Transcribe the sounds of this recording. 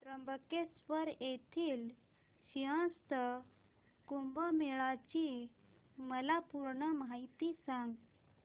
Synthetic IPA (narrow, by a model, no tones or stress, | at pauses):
d̪ɾəmbʱəkespəɾet̪ʰiːl | ɕiɦə̃st̪ə | kumbəmeɭat͡ɕi | məlapuɾɳəmait̪isãŋɡ